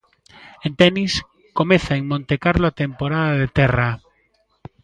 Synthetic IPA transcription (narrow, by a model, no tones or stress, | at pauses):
ẽnt̪ɛnis | komɛθaeŋmõnt̪ekaɾloat̪empoɾaðaðet̪ɛra